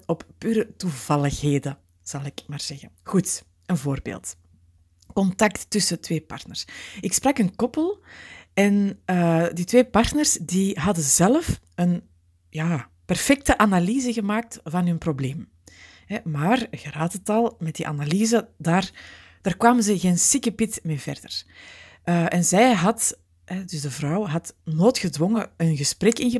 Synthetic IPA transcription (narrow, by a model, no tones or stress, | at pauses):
ɔppyːɾətuvɑlˠəxɦeːdə | z̥ɑlˠɪkmaːrz̥ɛɣəɣut | ənvoːrbḛːlˠt | kɔntɑk̚tːʏsətweːpɑ̰rtnər̥sɪksprɑkənkɔpəlˠɛnəditʋeːpɑrtnərsdiɦɑdəzɛləf | ən | jaːpɛrfɛk̚təʔanaliːzəɣəmaːk̚tvɑnɦʏnprobleːm | ɦɛmaːrɣəɾaːtətɑlˠmɛt̚diʔa̰naliːzədaːrd̥aːrkʋaːmənzəɣeːnsɪkəpɪtmeːvɛ̰rdər | əːʔɛnzɛjɦɑt | ɦɛdʏsdəvrɑwɦɑtnoːtxədwɔŋəənɣəsprɛkɪnɣə